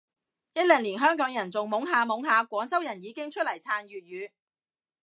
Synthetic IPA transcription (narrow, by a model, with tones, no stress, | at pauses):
jɐ˥t̚lɛː˨˩ŋliː˨˩nɦœː˥ŋkɔː˨˥ŋjɐ˨˩nt͡sʊ˨ŋmʊ˨˥ŋɦaː˨˧mʊ˨˥ŋɦaː˨˧kʷɔː˨˥ŋt͡sɐ˥wjɐ˨˩njiː˨˧kɪ˥ŋt͡ʃʰɵ˥t̚lɐ˨˩jt͡sʰaː˨˧nɥyː˨t̚jyː˨˧